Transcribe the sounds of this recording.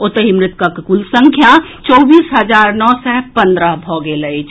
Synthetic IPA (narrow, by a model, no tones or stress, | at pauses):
ʊt̪əɦimɾɪt̪kakkulsɐ̃ŋkʰjat͡ʃɔːbiːsɦɐzaːɾnɔːsɛpɐ̃nd̪ɾəɦbʱɔːɡelɐid͡ʒ